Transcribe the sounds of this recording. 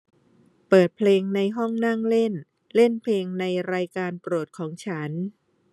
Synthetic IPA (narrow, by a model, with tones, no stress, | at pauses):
pɤː˨˩t̪̚pʰleː˧ŋna˧jɦɔ˥˩ŋna˥˩ŋle˥˩n | le˥˩npʰleː˧ŋna˧jɾaː˧jkaː˧npɾu˨˩ət̪̚kʰɔː˩˦ŋt͡ɕʰa˦˥n